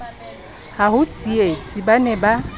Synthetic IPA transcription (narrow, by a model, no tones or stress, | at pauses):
haɦʊt͡sʼiet͡sʼibanɛba